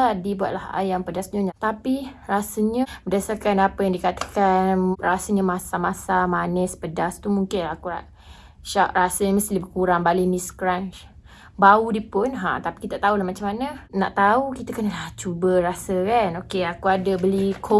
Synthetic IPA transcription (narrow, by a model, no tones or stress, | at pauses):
adibua̰ʔ̪̚laha̰jaŋpədasɲəɲat̪apirasəɲəbədasarkanapəjaŋdikat̪ə̥kanrasəɲəmasamasamanɛspədast̪umuŋkɪnakuaʔ | ʃaʔrasəɲəməst̪ibəkuɾaŋbalimiskɾaɲt͡ʃ | baudipʊnɦa̰t̪api̥kit̪at̪aulahmat͡ʃamːanəna̰ʔt̪aukit̪əkənəlaht͡ʃubəɾasəkanokeakuadəbəlikʰo